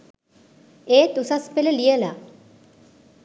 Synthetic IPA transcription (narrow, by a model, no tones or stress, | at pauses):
eːt̪usaspeleliela